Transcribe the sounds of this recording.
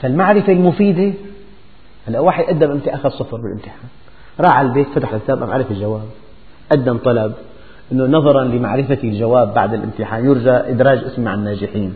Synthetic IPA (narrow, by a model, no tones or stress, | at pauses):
falmaʕɾɪfelmʊfiːd̪e | halːaʔwaːħɪjʔad̪ːamʔɪmt̪ɪʔaxad̪sˤɑfɾˤbɪlʔɪmt̪ɪħaːn | ɾˤɑːʕalbeːt̪fat̪aħlʔɪst̪ːaːbʔamʕa̰ɾɪfɪlʒawaːb̚ | ʔad̪ːamt̪ˤɑlɑb̚ | ʔɪnːʊnɑðˤɑɾˤɑnlɪma̰ʕɾɪfalʒawaːbːa̰ʕd̪ɪlʔɪ̰mt̪ɪħaːnjɪɾʒaʔɪd̪ɾɑːd͡ʒʔɪsmmaʕanːaːʒɪħiːn